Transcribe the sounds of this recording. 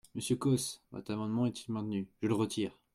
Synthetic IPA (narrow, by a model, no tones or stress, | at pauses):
məsjəkɔsvɔ̰t̪χamɑ̃d̪mɑ̃ɛt̪ʰilmɛ̃t̪nyʒ̥ələʁət̪ʰiːʁ